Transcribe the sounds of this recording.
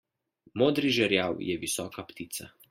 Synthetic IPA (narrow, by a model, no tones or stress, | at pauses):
moːd̪ɾiʒɛɾjawjɛʋisɔːkapt̪it̪sa